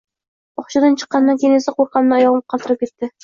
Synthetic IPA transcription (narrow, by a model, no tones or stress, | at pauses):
ɒχʃɑd̪ɑnt͡ʃʰə̥qːɑnːaŋkʲejnesɪqoɾqʰɑnnaɒjɒʁm̚qʰɑlˠt̪ɨɾɨp̚kʲet̪ːɪ